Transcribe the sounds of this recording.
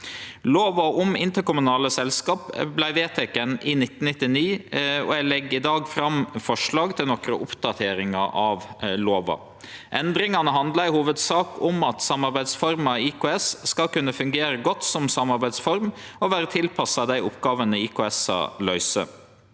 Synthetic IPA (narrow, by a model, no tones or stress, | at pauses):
loːʋɑɔmɪnt̪əɾkʊmʉnɑːləsɛlskɑːpblæɪʋeːt̪ʰɛkənɪnɪt̪ːn̩nɪt̪ːɪniːɔ̰ælɛɡɪd̪ɑːɡfɾɑmfɔʂɭɑːɡt̪ʰɪlnɔkɾəʔʊpd̪ɑt̪ʰeːɾɪŋɑ̰ʔɑʋloːʋɑ̰ | ʔɛnd̪ɾɪŋɑnəɦɑnd̪lɑɪhuːʋəd̪sɑːkʰɔmɑt̪sɑmːɑɾbæɪd̪sfɔɾmɑikʰʊːɛsskɑkʉnːəfʉŋɡeːɾəɡɔt̪sɔmsɑmɑɾbæɪsfɔɾmɔʋæːɾət̪ʰɪlpʰɑsɑd̪æɪʊpɡɑːʋənəikʰʊɛsɑ̰lœʏsə̰